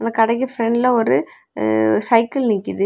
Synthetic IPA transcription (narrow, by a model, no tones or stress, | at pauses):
ɐnɐkɐɽɐk̬ːɐfɾɛɳɖlɐɔɾɯ | sɐɪkːɐlnɪkːɪðɯ